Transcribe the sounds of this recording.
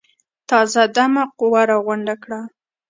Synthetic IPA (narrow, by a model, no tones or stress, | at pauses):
t̪ɑzad̪amaqʊwaɾɑɣwʊɳɖakɽa